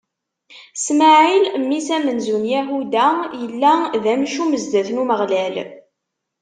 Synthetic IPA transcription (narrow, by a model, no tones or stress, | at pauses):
smæʕilmːisæmənzunjæɦud̪æjəlːæðæmʃuməzd̪æθnuməʁlæl